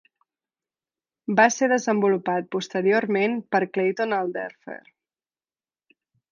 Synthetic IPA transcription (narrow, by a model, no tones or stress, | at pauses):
baseðəzəmbulupat̪̚pust̪əɾioɾmenpəɾklejt̪onalˠd̪ɛɾfḛɾ